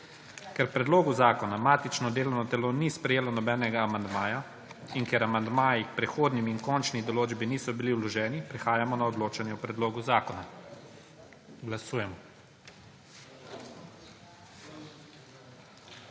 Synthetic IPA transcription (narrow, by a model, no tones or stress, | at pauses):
kɛɾpɾɛd̪loːɡuzaːkɔnamaːt̪it͡ʃnɔd̪eːlɔwnɔt̪ɛloːnispɾɛjeːlɔnɔbɛːnɛɡaːmand̪maːja | iŋkjɛɾamand̪maːjikpɾɛxoːd̪nimːŋkɔnt͡ʃnid̪ɔloːd͡ʒbiniːsɔbiliulɔʒɛːnipɾɛxaːjamɔnaɔd̪loːt͡ʃanjɛwpɾɛd̪loːɡuzaːkɔna | ɡlasuːjɛmɔ